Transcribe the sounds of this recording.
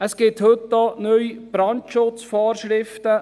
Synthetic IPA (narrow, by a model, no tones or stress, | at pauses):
əsɡ̥ɪthɵtdɔnyjb̥ɾɑntʃʊt͡sfɑːɾʃɾɪftə